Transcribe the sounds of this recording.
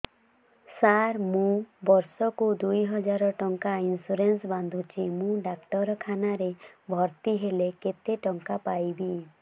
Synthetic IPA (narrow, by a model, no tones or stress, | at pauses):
saɾmũbɔɾsɔkud̪ujɦɔd͡ʒaɾɔʈɔŋkainsuɾensband̪ʱut͡ʃʰimũɖakʈɔɾɔkʰanaɾebʱɔɾt̪iɦeleket̪eʈɔŋkapajbi